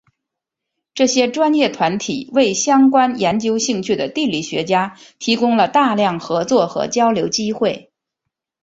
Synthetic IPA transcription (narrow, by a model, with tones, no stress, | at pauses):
ʈ͡ʂɤ˥˩ɕjɛ˥ʈ͡ʂwa˥njɛ˥˩t̪ʰwa˧˥nt̪ʰi˨˩˦we˥˩ɪɕjɑ˥ŋkwa˥njɛ˧˥nt͡ɕjo˥ʊɕi˥˧ŋt͡ɕʰy˥˩d̪ə˩t̪i˥˧li˥˩ɕɥɛ˧˥t͡ɕja˥t̪ʰi˧˥kʊ˥ŋlə˨t̪a˥˧ljɑ˥˩ŋxɤ˧˥t͡swɔ˥˩xɤ̰˧˥t͡ɕjɑ˥ʊljo˧˥ʊt͡ɕi˥xwe˥˩ɪ